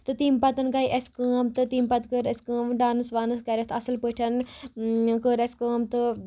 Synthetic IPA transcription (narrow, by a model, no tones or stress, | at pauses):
t̪ɨt̪iːmpɐt̪ɨnɡɐiʔeskəːmt̪ɨt̪iːmpɐt̪kəɾeskəːmɖaːnɨsʋaːnɨskɐɾʲɐst̪ɐsɨlpəʈʰɐn | kəɾeskəːmt̪ɨ